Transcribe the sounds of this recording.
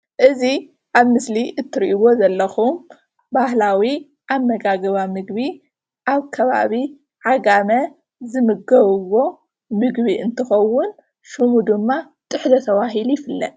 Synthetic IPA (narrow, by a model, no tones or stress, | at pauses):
ʔɨzi | ʔaβmɨsliʔɨt̪ʰːɨɾʔiβo̞zɐlːɐxum | bahlawi | ʔamːɐɡaɡɐβamɨɡβi | ʔaβkʰɐβa̰βi | ʕaɡamɐ | zɨmɨɡɐβɨwo̞ | mɨɡβiʔɨnt̪ʰɨxɐwːʊn | ʃɨmud̪ɨmːa | t̪ʼɨħzɐt̪ʰɐwaɦilujɪfɨlːɐ̰t̪